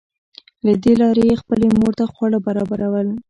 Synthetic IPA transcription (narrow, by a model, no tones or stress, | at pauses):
lad̪elɑɾejexpəlemoɾt̪axwɑɽabaɾɑbaɾawəl